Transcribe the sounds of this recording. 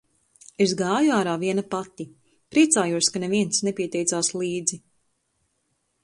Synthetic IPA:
esɡaːjuaːɾaːviɛnapat̪i | pɾiɛt̪saːjuɔskaneviɛnsnepiɛt̪ɛjt̪saːslˠiːd̪zi

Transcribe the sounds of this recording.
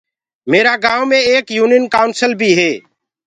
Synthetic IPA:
meːɾaːɡãːʋmẽːeːkjuːnɪnkaːʊnsəlbʱiːɦeː

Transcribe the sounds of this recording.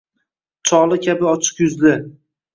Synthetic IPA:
t͡ʃʰɒlˠɪkʲʰabɪɒt͡ʃʰɨ̥qjʊzdɪ

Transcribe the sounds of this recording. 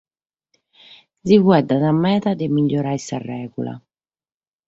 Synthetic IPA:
zivwɛd̪anamːɛːðad̪ɛmiʎːɔɾaisarːɛːɣṵla̰

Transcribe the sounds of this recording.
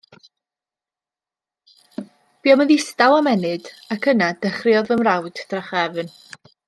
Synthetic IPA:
b̥iːɔməðɪstawamɛnɨdakʰənadəχrjɔðəmrawd̥d̥raχɛvn

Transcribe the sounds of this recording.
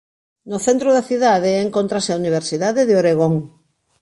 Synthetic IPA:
noθent̪ɾoðaθiðaðeːŋkont̪ɾaseauniβ̞eɾsiðaðeðeoɾeɣoŋ

